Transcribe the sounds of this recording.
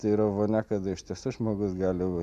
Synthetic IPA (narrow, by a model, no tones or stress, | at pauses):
t̪ɐɪɾɐʋoːnʲɛkɐd̪ɐɪʃʲt̪ʲiɛsuʒmoːɡʊsɡɑːlʲɪ